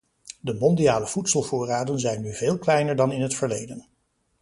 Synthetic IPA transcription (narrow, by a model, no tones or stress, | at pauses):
dəmɔndijaːləv̥utsəlˠvʊːraːdənzɛjnːyveːlˠklɛjnəɹdɑnɪnɦətfəɹlejdən